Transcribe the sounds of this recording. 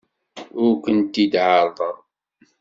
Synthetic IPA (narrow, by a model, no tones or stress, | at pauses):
ʊɾkənt̪id̪ʕəɾˤðˤəðˤ